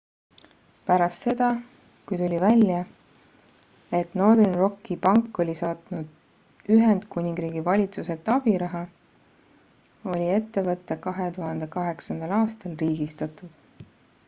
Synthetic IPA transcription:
pæɾɑst̪se̞d̪ɑ | kujt̪ulʲivælʲjɑ | e̞t̪no̞rd̪rinro̞kːipɑŋkːo̞lʲisɑːt̪nud̪̥ | yɦe̞nd̪̥kunʲiŋɡɾiːɡ̥ivɑlʲit̪suse̞lt̪ːˑɑb̥iɾɑɦɑ | o̞lʲie̞t̪ːe̞vɤt̪ːˑekɑɦe̞t̪uɦɑnd̪̥e̞kɑɦe̞ksɑnd̪̥ɑlɑːst̪ɑlriːɡ̥ist̪ɑt̪ːˑud̪̥

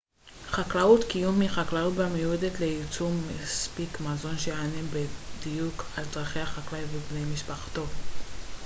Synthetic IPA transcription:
χaklaut̪kijumːiχaklaut̚bamejued̪et̪leit͡sumːaspikmazo̞nʃejanembed̪ijukaldʁaχe̞jhaχaklajveblemiʃpaχt̪o̞

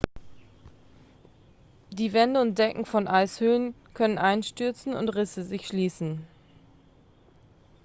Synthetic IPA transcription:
d̥iːvɛndəʊnt̚d̥ɛkŋ̩fɔnʔaɪshøːən | kʰœnənʔaɪnʃtʏɐt͡sn̩ʊ̰ntʁɪsəzɪçʃliːsn̩

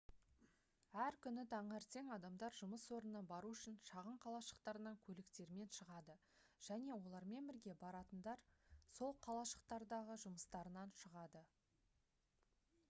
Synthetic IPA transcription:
æɾkʲʰʏnɪt̪ʰɑɴæɾt̪ʰe̞ŋɑd̪ɑmd̪ɑɾʒʊməswo̞ɾənəbɑɾuʏʃɪnʃɑʁəɴqʰɑlˠɑʃə̥qt̪ɑɾənɑŋkʲʰɵlɪkt̪e̞ɾme̞nʃəʁɑd̪ə | ʒ̥æne̞wo̞lˠɑɾme̞nbɪɾɡʲe̞bɑɾɑt̪ənd̪ɑɾso̞lˠqʰɑlˠɑʃə̥q̚t̪ɑɾd̪ɑʁəʒʊməst̪ɑɾənɑnʃəʁɑd̪ə

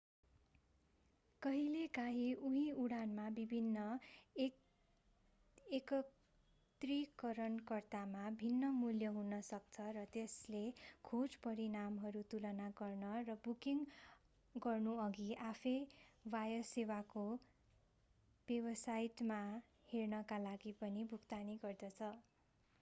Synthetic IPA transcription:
kʌɦilekaɦiʔuɦĩuɽanmabibʱinːʌ | ekʌ | t̪rikʌɾʌnkʌrt̪amabʱinːʌmuljʌɦunʌsʌkt͡sʰʌrʌt̪eslekʰod͡zpʌɾinamɦʌɾut̪ulʌnaɡʌrnʌrʌbukiŋ | ɡʌrnuʌɡiʔapʰejwajʌsewako | b̥ebʌsajʈma | hernʌkalaɡipʌnibʱukt̪aniɡʌrd̪ʌt͡sʰʌ

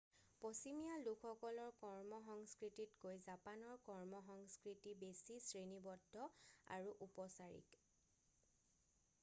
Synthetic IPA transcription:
posimijalukʰːɔkɔlɔɹkɔɹmɔxɔŋskɹititkojzapanɔɹkɔɹmɔxɔŋskɹitibesisɹenibɔdʱːɔa̰ɹuʔupɔsaɹḭk

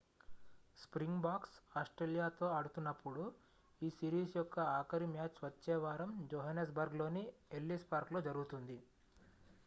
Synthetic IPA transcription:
spɾiŋɡbaːksaːsʈɾeːlijaːt̪o̞ːɐɽut̪unːɐpːuɽu | iːsiːɾiːsjɔkːɐaːkɐɾimjaːt͡ʃʋɐt͡ʃːɛːʋaːɾɐmd͡ʒoːɦɐnes̬bɐɾɡlo̞ːnielːispaːɾklo̞ːd͡ʒɐɾuɡut̪und̪i

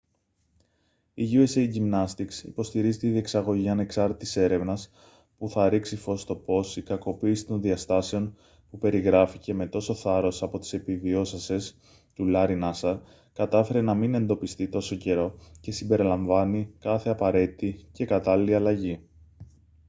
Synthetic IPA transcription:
iʝue̞sejʝimnɐst̪iksḭpo̞st̪iɾizit̪iðie̞ksɐɣo̞ʝiɐne̞ksɐɾt̪et̪i̥se̞ɾe̞vnɐs | puθɐɾiksifo̞st̪o̞po̞sikɐko̞piːsi̥t̪o̞nðiɐst̪ɐse̞o̞n | pupe̞ɾiɣɾɐfice̞me̞t̪o̞so̞θɐɾo̞sɐpo̞t̪i̥se̞pivio̞sɐse̞s | t̪ulɐɾinɐsɐ | kɐt̪ɐfe̞ɾe̞nɐmine̞nd̪o̞pist̪it̪o̞so̞ce̞ɾo̞ce̞simbe̞ɾilɐɱvɐnikɐθe̞ɐpɐɾe̞t̪it̪ice̞kɐt̪ɐliliɐlɐʝi

